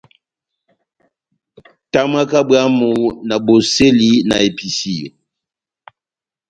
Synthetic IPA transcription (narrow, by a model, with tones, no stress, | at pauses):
ta˦m˦a˦ka˦bɰa˦mu˨na˨bo˨se˦li˦na̰˨e˨pi˨si˦˨